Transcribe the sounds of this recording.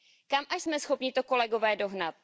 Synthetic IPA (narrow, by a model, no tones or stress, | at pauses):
kamʔaʃsmɛsxo̞pɲɪt̪o̞ko̞lɛɡo̞vɛːdo̞ɦnat̪̚